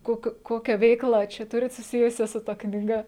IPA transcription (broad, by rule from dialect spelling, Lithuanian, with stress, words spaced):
ˈkoːkʲʊ ˈkoːkʲæː ˈʋʲɛɪklˠɐ ˈt͡ʃʲɛ ˈtʊrʲɪt sʊˈsʲɪjʊsʲɛ sʊ ˈtɐ knʲiːˈɡɐ